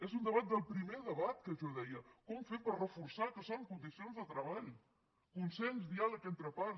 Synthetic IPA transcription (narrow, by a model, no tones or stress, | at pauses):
ezund̪əβat̪̚d̪əlˠpɾimeðəβat̪kəʒɔðɛjəkɔmfempərrəfuɾsakəsoŋkund̪isionzðət̪ɾəβaʎ | kunsɛnzðialəkent̪ɾəpa